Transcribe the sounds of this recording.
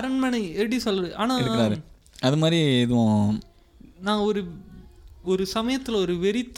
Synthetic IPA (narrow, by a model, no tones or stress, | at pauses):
ɐɾɐnmɐɳiɛɽisɔlːɐɾɯʔaːnaɯkɐɾaːɾɯ | ɐðɯmaːd̪ɾiɛðɯʋõ | nãːɔɾɯ | ɔɾɯsɐmɐjɐt̪ːɯlɐɔɾɯʋɛɾɪt̪ː